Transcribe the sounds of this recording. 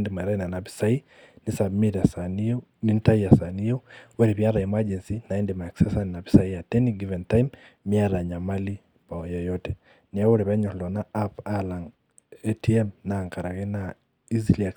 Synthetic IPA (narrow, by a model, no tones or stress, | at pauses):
ndemaiɾainanapi̥sai | nɪsamiɾasani | nintaiasaniouwɛɾeβjaɾaimad͡ʒɛnsinaɛndemaeksɛsaninapisaiatɛniɡivɛntaimːiaɾaɲamali | paɔjɔjɔtɛ | nawoɾeβɛɲɔllɔnaapalaŋ | etʰiɛmnaŋkaɾaɣena | iziliak